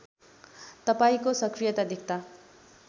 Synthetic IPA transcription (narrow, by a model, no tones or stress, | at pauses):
t̪ʌpaikosʌkɾijʌt̪ad̪ʱik̚ʰt̪a